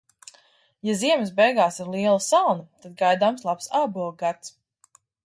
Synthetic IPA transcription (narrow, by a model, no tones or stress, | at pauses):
jaziɛmɪsbɛjɡaːsiɾlˠiɛlˠəsalˠnɐt̪ad̪̚ɡajd̪aːmslˠapsaːbuɔɡat̪s